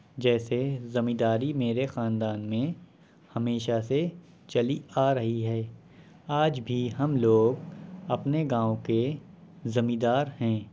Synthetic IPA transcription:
d͡ʒɛːsezɐmĩːd̪aːɾimeːɾexaːnd̪aːnmẽ | hɐmeːʃase | t͡ʃɐliaːɾɐɦiɦɛː | aːd͡ʒbʱiɦɐmloːɡɐpneɡãːõke | zɐmĩd̪aːɾhɛ̃ː

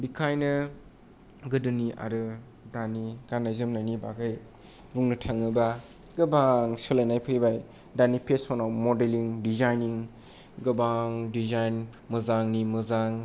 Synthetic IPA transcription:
bikʰajnɯ | ɡɯdɯniʔa̰ɾɯ | daniɡ̥anajzɯmnajnibaɡaj | buŋnɯtʰaŋɯba | ɡɯbaŋsɯlajnajpʰɯjbaj | danipʰesɔnawmodeliŋdizajniŋ | ɡɯbaŋdizajn | mɯzaŋnimɯzaŋ

